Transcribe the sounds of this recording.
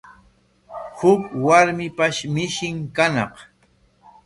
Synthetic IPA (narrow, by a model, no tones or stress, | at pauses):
hʊkwaɾmɪpaʃmɪʃɪŋkanɑq